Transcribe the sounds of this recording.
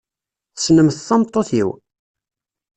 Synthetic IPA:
θə̥snəmθθːɑmt̪ˤːoθḭw

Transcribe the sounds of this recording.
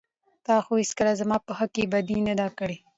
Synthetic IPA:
t̪ɑːxoɪskəlazamɑːpəhakebad̪inad̪akəɽe

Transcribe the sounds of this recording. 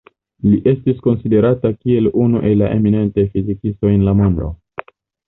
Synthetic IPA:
liʔe̞stisko̞nside̞ɾatakie̞lunuʔe̞lːaʔe̞mine̞ntajfizikisto̞enlamondo̰

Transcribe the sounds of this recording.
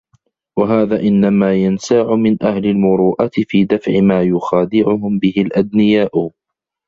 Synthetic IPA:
waɦaːðaːʔɪnːamaːjansaʕʊmɪnʔahlalmʊɾuːʔat̪ɪfiːd̪afʕɪmaːjʊxaːd̪ɪʕʊɦʊmbɪhɪlʔad̪nɪjaːʔʊ

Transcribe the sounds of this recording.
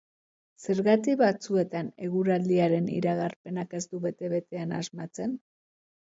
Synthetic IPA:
se̞ɾɣat̪iβat͡sue̞t̪ane̞ɣuɾald̪iaɾe̞nḭɾaɣaɾpe̞nake̞zd̪uβe̞t̪e̞βe̞t̪e̞anazmat͡se̞n

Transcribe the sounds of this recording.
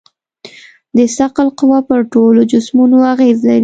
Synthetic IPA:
d̪əsaqalqʊwɑpəɾʈolod͡ʒʊsmunoaɣezlaɾi

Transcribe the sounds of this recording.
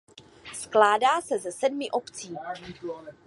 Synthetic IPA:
sklaːdaːsɛzɛsɛdmɪʔo̞pt͡siː

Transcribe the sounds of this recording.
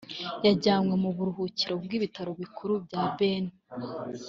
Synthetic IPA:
jaɟaːmwe̞muβuɾuɦuciɾo̞bɡiːβitaɾo̞βikʰuɾubɟaːbeni

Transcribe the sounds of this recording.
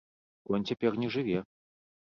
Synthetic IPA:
kɔnʲt͡sʲapʲɛrnʲɛʐɨvʲɛ

